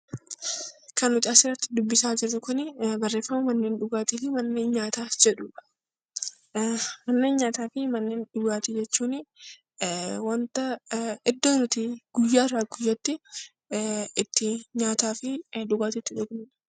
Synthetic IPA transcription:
kɐnʊt̪ɐsɪrːɐt̪ːɪ̥d̪ʊbːɪsaːd͡ʒɪɾt̪ʊkʊnɪbɐrːe̞ːfːɐmɐmɐnːeːnᶑʊɡaːt̪iːfɪmɐnːe̞ːnɲaːt̪aːd͡ʒɛᶑʊᶑɐ̥ | mɐnːe̞ːnɲaːt̪aːfɪmɐnːe̞ːnᶑʊɡaːt̪id͡ʒɛt͡ʃːuːnɪ | wɐnt̪ɐɪd̪ːoːnʊt̪ɪɡ̥ʊjːaːrːaːɡʊjːɐt̪ːɪ | ɪt̪ːɪɲaːt̪aːfɪᶑʊɡaːt̪ɪt̪ːɪᶑʊɡnɪ̥

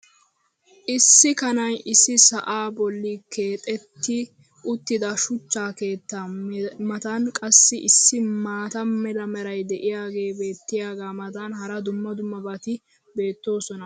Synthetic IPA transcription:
ʔɪsːɪkɐnɐjɪsːɪsɐʔaːbɔlːikʰe̞ːt̪ʼɛt̪ːɪ | ʊt̪ːɪd̪ɐʃʊt͡ʃːaːke̞ːt̪ːamɐt̪ɐnkʼɐsːɪʔɪsːɪmaːt̪ɐmɛlɐmɛɾɐjd̪ɛʔɪjaːɡe̞ːbe̞ːt̪ːɪjaːɡaːmɐt̪ɐnhɐɾɐd̪ʊmːɐd̪ʊmːɐbɐt̪ɪ | be̞ːt̪ːo̞ːsɔnɐ

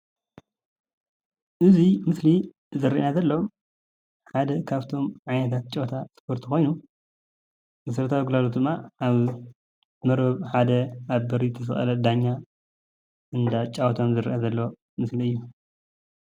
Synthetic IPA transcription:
ʔɨzimɨsli | zɐɾiʔnazɐlːo | ħad̪ɐkʰaβt̪ʰo̞mʕajnɐt̪ʰat̪̚t͡ʃʼot̪ʰaspʰoɾt̪ʰixo̞jnu | ɨsɐɾt̪ʰawiɡulalot̪d̪ɨmːaʔaβ | mɐɾbɐβħad̪ɐaβbɐɾit̪ʰɐs̬ɨxʼɐ̰lɐd̪aɲːa | ʔɨnd̪at͡ʃʼawt̪ʰomzɨɾḭʔazɐlːo̞ | mɨsliɨjːu

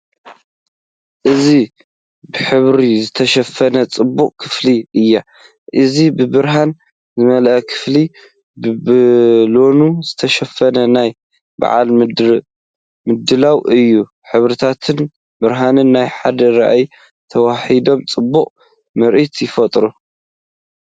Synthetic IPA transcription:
ʔɨzi | bɨħɨβɾizɨt̪ʰɐʃɐfɐnɐt͡sʼɨbːuqʼkʰɨ̥fliʔɨjːa | ʔɨzibɨbɨɾɦan | zɨmɐlʔɐkʰɨ̥fli | bɨbɨlo̞nuzɨt̪ʰɐʃɐfːɐnɐnaj | ba̰ʕa̰l | mɨd̪ɨlawʔɨjːu | ħɨβɾit̪ʰat̪ʰɨn | bɨɾɦanɨnːajħad̪ɐɾa̰ʔaj | t̪ʰɐwaħid̪o̞mt͡sʼɨbːuqʼ | mɨɾʔit̪jɪfɐt̪ʼɾu

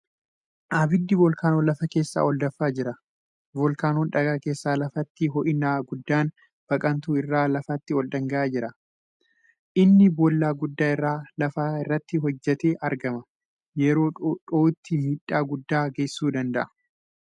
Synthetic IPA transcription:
ʔaːbɪd̪ːɪbɔlkaːnoːlɐfɐke̞ːsːa̰ːɔld̪ɐfːaːd͡ʒɪɾɐ | bɔlkaːnɔnᶑɐɡaːke̞ːsːaːlɐfɐt̪ːɪɦɔʔɪnaːɡʊd̪ːaːn | b̥ɐkʼɐnt̪uːɪrːaːlɐfɐt̪ːɪɔld̪ɐŋɡɐʔaːd͡ʒɪɾɐ | ʔɪnːɪbɔlːaːɡʊd̪ːaːɪrːaːlɐfaːɪrːɐt̪ːɪɦɔd͡ʒːɛt̪e̞ːʔɐɾɡɐmɐ | jɛɾo̞ːᶑoːt̪ːɪmiːᶑːaːɡʊd̪ːaːɡɐsːuːd̪ɐnd̪ɐʔɐ̥

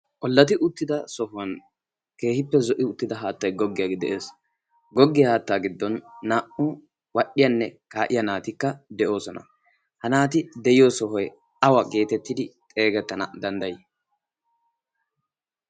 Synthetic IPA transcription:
ʔɔlːɐt̪̬ɪʔʊt̪ːɪd̪ɐsɔhʊwɐn | ke̞ːhɪpːɛzɔʔɪʊt̪ːɪd̪ɐɦaːt̪ːɐjɡɔɡːɪjaɡd̪ɛ̰ʔe̞ːs | ɡɔɡːɪjɐhaːt̪ːaːɡɪd̪ːɔnːaːʔʊ | wɐɗɪjɐnːɛkaːʔɪjɐnaːt̪ɪkːɐd̪ɛʔo̞ːsɔnɐ̰ | hɐnaːt̪ɪd̪ɛjɪjoːsɔɦɔj | ɐwɐɡe̞ːt̪ɛt̪ːɪd̪ɪt̪ʼe̞ːɡɛt̪ːɐnɐ̰d̪ɐnd̪ɐjɪ

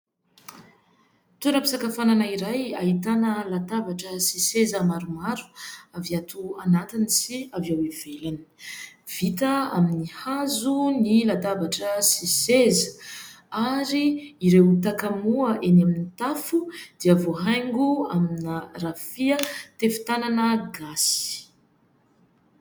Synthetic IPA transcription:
t̪uɾapi̥sakafananaiɾajaɦit̪anəlat̪avaʈ͡ʂəsisezəmaɾumaɾu̥aviat̪uanat̪inisiaviawevelani̥v̥it̪əa̰minihazunilat̪avaʈ͡ʂəsisezə | aɾiːɾewt̪akamuəʔenaminit̪afud̪̥iəvoɦajŋɡuaminərafiət̪efi̥t̪ananəɡasi̥

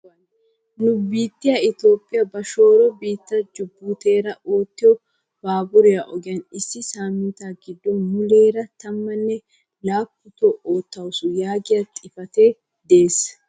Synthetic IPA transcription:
nʊbiːt̪ːɪjaɪt̪o̞ːpʼːɪjɐbɐʃo̞ːɾɔbiːt̪ːɐd͡ʒʊbːuːt̪e̞ːɾɐʔo̞ːt̪ːɪjɔ | b̥aːbʊɾɛjaʔɔɡɪjɐnɪsːɪsaːmːɪt̪aːɡɪd̪ːɔnmʊleːɾɐt̪ɐmːɐnːɛ | laːpːʊt̪ɔoːt̪ːɐwʊsʊjaːɡɪjat̪ʼɪfɐt̪e | d̪e̞ːs

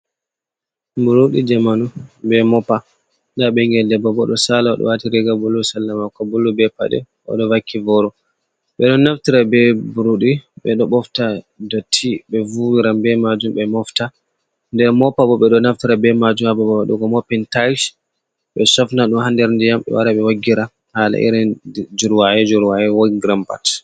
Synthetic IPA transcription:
buɾuɗid͡ʒamanubɛmɔpa | ndaɓɛŋɡɛldɛbɔbɔɗɔsalawa̰ɗɔ̰waːtiɾɛɡabulːusalːamakːɔbulːubɛpa̰ɗɛ̰ | ʔɔ̰ɗɔvakʰːivɔɾɔ | ɓɛɗɔnaftiɾabɛbuɾuɗiɓɛɗɔɓɔfta | dɔtʰiɓɛvuwiɾambɛmad͡ʒumɓɛmɔfta | ndɛɾmɔpabɔɓɛɗɔnaftiɾabɛmad͡ʒumababawaɗukɔmɔpːɛntajʃ | ɓɛsɔfnaɗuhandɛɾndijamɓɛ̰wa̰ɾaɓɛwaɡːiɾa | haːla̰ʔḭɾɛnd͡ʒuɾwaɛd͡ʒuɾwajɛwaɡɡiɾampa̰t

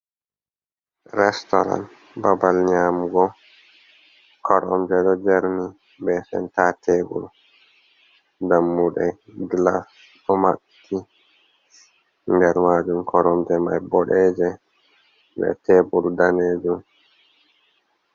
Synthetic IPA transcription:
ɾɛstɔ̰ɾa̰nt | babalɲaːmuɡɔ | kʰɔɾɔmd͡ʒɛɗɔd͡ʒɛɾni | bɛsɛ̰ntatʰebṵɾu | damːuɗɛɡlas | ɔmaʔ | tʰːi | ŋɡɛɾmaːd͡ʒumkʰɔɾɔmd͡ʒɛmajbɔɗɛːd͡ʒɛ | bɛ̰teːɓuɾudaneːd͡ʒum

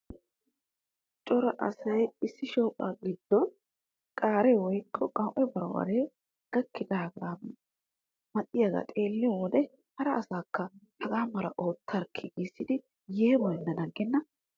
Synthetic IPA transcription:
t͡ʃʼɔɾɐʔɐ̰sɐjɪsːɪʃoːpʼːa̰ːɡɪd̪̥ːɔn | kʼaːɾɛwɔjkʰːɔkʼɐwʔɛbɐɾwɐ̰ɾeː | ɡ̥ɐkːɪd̪aːɡaː | mɐt̪ʼːɪjaɡa̰ːt̪ʼe̞ːlːɪjɔwɔd̪ɛ | hɐɾɐːsaːkːɐhɐɡaːmɐɾɐʔo̞ːt̪ʰːɐɾkʰːɪɡiːsːɪd̪ɪ | jeːbɔjnːɐnɐɡːɛnːɐ

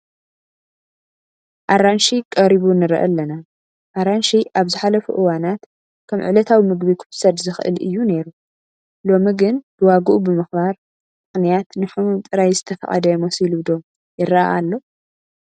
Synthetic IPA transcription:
ʔaɾanʃikʼɐɾiβunɨɾ̰ʔɐ̰lːɐna | ʔaɾanʃiʔaβzɨħalɐfṵʔɨwanat̪ | kʰɐmʕɨ̰lɐt̪ʰawimɨɡbikʰɨ̥fsɐd̪zɨxʔɨ̰lɨ̰jːune̞ɾu | lo̞miɡɨnb̥ɨwaɡɨʔubɨmɨxbaɾ | mɨxnijat̪nɨħumumt̪ʼɨɾajzɨt̪ʰɐfɐ̰χʼɐ̰d̪ɐmosilud̪o̞ | jɪraa̰ʔalːo̞

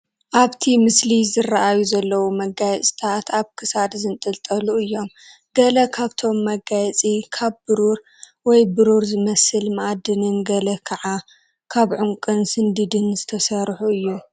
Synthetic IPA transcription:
ʔaβt̪ʰimɨslizɨrːaʔajuzɐlːɐwumɐɡajɛt͡sʼt̪ʰat̪ʰaβkʰɨsad̪zɨnt̪ʼɨlt̪ʼɐluɨjːo̞m | ɡɐlɐkʰaβt̪ʰo̞mːɐɡajɛt͡sʼikʰaβbɨɾuɾ | wɔjbɨɾuɾzɨmɐsɨlmaʔad̪ɨnɨnɡɐlɐkʰɐʕa | kʰaβʕuŋkʼɨnsɨnd̪ɨd̪ɨnzɨt̪ʰɐsɐɾħuɨjːu

